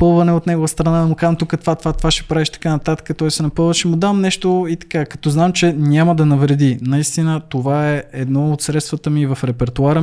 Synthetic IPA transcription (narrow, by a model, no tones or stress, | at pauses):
pɤlˠvɐnɛot̪nɛɡovəst̪ɾɐnaɐmʊkaʒəmt̪ukət̪vat̪vat̪ovaʃɛ̥pɾavɛʃt̪ɐ̥kanɐt̪at̪ə̥kət̪ɔjsɛnɐpɤlˠvəʃɛmʊd̪amnɛʃt̪oit̪ɐ̥kakɐt̪ɔznamt͡ʃɛnʲaməd̪ɐnɐvɾɛd̪inɐist̪inət̪ovaɛɛd̪nɔot̪sɾɛt̪st̪vət̪əmivɐfɾɛpɛɾt̪oaɾə